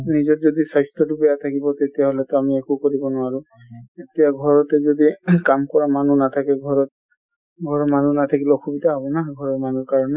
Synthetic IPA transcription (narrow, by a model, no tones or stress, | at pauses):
nizɔtzɔdisajstɹɔtubɛjatʰakibɔtetijaɦolɛtɔamiekukoɹibɔnʊaɹu | etijaɡʱɔɹɔtɛzodikamkɔɹamanunatʰakɛɡʱɔɹɔt̚ | ɡʱɔɹɔmanunat̪ʰakilɔxʰubidaɦɔbɔnaɡʱɔɹɔɹmanuɹkaɹɔnɛ